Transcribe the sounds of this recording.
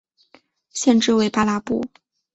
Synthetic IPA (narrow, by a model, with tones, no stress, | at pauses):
ɕjɛ˥˧nʈ͡ʂɻ̩˥˧we˥˩ɪpa˥la˧˥pṵ˥˩˦